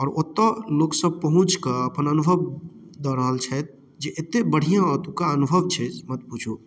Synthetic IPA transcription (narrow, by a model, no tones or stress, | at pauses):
ɔːɾot̪ːaloːksəb̚pəɦʊ̃t͡ʃkəəpənənʊbʱəʋ | d̪əɾəɦəlt͡ʃʰɛt̪̚ | d͡ʒeʔɪt̪ebəɽ̤ijãɔt̪ukaənʊbʱəʋt͡ʃʰɛmət̪̚put͡ʃʰo